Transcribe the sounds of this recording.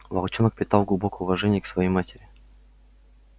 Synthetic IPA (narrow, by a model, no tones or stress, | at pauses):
vɐlˠt͡ɕonək̚pʲɪt̪ɑlˠɡlˠʊbo̞kəjʊvɐʐɛnʲɪjəksvɐjejmatʲɪɾʲɪ